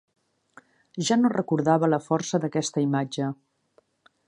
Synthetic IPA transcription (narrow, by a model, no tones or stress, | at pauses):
ʒanorəkuɾðaβələfɔɾsəðəkɛst̪əimad͡ʒə